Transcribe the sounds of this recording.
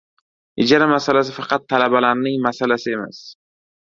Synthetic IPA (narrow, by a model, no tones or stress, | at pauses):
ɪd͡ʒaɾamasalas̬ɪfɑqɑt̪ʰːalabalaɾnɪŋmasalasɪe̞ma̰s